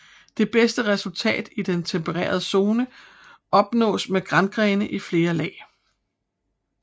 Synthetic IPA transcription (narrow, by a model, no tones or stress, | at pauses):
d̥e̝b̥esd̥əʁɛsult͡sʰɛ̰ːd̥id̥ent͡sʰempʰəʁḛːɐð̞ˠəso̝ːnə | ɒ̽b̥nɔ̰̽ːsmeɡ̥ʁanɡ̥ʁɛːnəʔifle̝ːɐlɛ̰ː